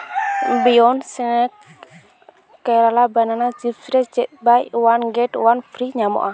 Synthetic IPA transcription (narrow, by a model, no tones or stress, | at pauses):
mbiɔnsiŋɛ | kɛlalabananad͡ʒifsɾɛsd͡ʒɛʔ̪̚bajwanɡɛtwanfɾiɲamɔ̰ʔa